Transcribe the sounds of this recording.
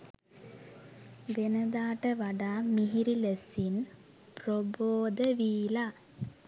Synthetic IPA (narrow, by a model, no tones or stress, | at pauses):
ʋenəd̪aːʈəʋaɖaːmiɦiɾiləsin | proboːd̪əʋiːla